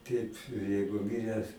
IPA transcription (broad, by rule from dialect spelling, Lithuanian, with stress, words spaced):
ˈtʲɛɪp ˈjɛɪɡʊ ˈmʲɪrʲæːs